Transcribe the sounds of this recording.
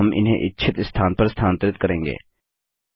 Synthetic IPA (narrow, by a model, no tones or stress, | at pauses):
ɐmʔɪ̰nɦḛ̃ʔɪtːʃʰɪt̪st̪ʰaːnpəɾst̪ʰaːnt̪ɾɪt̪kəɾẽːŋɡḛː